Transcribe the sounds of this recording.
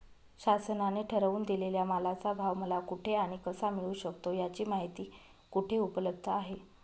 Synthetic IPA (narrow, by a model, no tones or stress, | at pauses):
ɕasənaneʈʰəɾəʋuːnd̪ileljamalat͡sabʱaʋməlakuʈʰeaɽ̃ikəsamiɭuːɕəkt̪ojat͡ɕiːmaɦit̪iː | kuʈʰeupələb̚d̪ʱəaɦe